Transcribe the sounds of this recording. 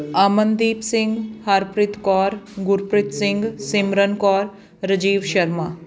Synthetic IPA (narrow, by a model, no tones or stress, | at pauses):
aːmənd̪iːpsɪ̃ŋɡhaɾpɾɪt̪kɔːɾɡʊɾpɾɪt̪sɪ̃ŋɡsɪmɾənkɔːɾ | ɾəd͡ʒiːʋʃɐɾmaː